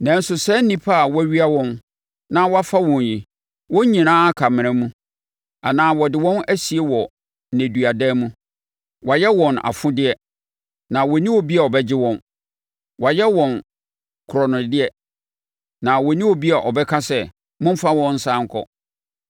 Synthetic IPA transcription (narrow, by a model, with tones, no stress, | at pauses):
nã˨n̩˦sʊ˨sɛ˦n̩˦nĩ˦pʰa˦˨wɥi˦a˦wɔ̃˦n | nã˦wɔ˦a˦fa˦wɔ̃˨nji˨ | wɔ̃˦ɲ˦ɲĩ˨nãː˦a˦kʰa˨mɪ̃˨ɛ̃˦mũ˦ | a˨nãː˦wɔ˨dɪ˨wɔ̃˦næ˦si˨e˦wɔ˨ | næ̃˨du˨a˨dɛ˦mũ˦ | wa˨jɛ˦wɔ̃˨na̰˨fʊ̃˦dɪ˦ɛ˨ | nã˨wɔ˨nĩ˦wo˨bi˦a˨ɔ˨bɛ˦d͡ʑɪ˦wɔ̃˦n | wa˨jɛ˦wɔ̃˨n | kʰʊ˨ɾɔ˨nʊ̃˨dɪ˦ɛ˦ | nã˨wɔ˨nĩ˦wo˨bi˦a˨ʔɔ˨bɛ˦kʰa˦sɛ˦˨ | mʊ̃˦m˦fa˦wɔ̃˦nn̩˦sã˦ŋ˦kʰɔ̰˦